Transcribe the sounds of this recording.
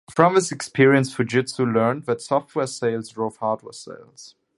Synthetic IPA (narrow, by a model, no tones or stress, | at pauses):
fɹʌ̃mɪzɨkspʰɪɹiə̃nsfəd͡ʒɪtshulɜ̃˞nðɨtsɔft̚wɛɹseɪlˠzɹoʊfhɑɹd̚wɛ̰ɹsḛɪlˠz̥